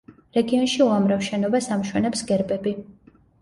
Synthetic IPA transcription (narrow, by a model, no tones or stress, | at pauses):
ɾɛɡiɔnʃiuamɾafʃɛnɔbasamʃwɛnɛpsɡɛɾbʼɛbi